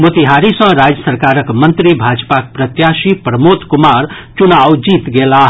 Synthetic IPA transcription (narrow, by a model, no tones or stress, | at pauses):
mot̪iɦaɾisʌ̃ɾad͡ʒjəsəɾkaɾəkmənt̪ɾibʱad͡ʒpak̚pɾət̪jasipɾəmot̪kumaɾt͡ʃunawd͡ʒit̪ɡelaɦ